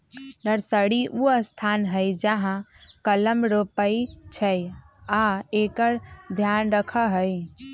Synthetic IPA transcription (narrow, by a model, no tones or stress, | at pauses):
nəɾsəɽiʔuəst̪ʰanɦəjd͡ʒəɦãkələmɾopəjt͡ʃʰəj | aekəɾd̪ʱjanɾəkʰəɦəj